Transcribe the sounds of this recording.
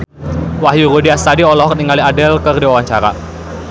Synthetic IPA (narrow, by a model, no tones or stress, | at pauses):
waɦjuɾudiast̪adiɔlɔɦɔkniŋaliadɛlkərdiwawaɲt͡ʃaɾa̰